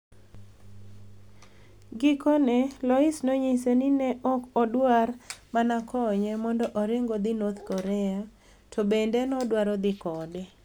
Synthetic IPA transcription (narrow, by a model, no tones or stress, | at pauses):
ɡɪkɔnɛlɔɪsnoɲisenɪnɛʔɔkɔdwarmanakʰɔɲɛmɔndɔʔɔɾɪŋɡɔd̪ɪnɔt̪kɔɾɛa | tʰɔbendɛnɔdwaɾɔd̪ɪkɔdɛ